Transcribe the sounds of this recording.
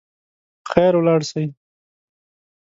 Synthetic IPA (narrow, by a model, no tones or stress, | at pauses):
xɛɾwlɑːɽsaj